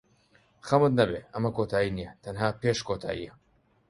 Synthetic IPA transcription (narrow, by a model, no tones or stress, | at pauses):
xɐmɨt̪̚nɐbeːʔɐmɐkoːt̪ʰaːjiːnijɛt̪ʰɐnɦaːpeːʃkʰoːt̪ʰa̰ːjḭjɛ